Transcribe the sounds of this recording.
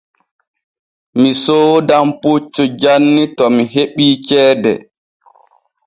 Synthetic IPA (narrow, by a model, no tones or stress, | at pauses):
misoːdamput͡ʃːud͡ʒanːitɔmiɦeɓiːt͡ʃɛːdɛ̰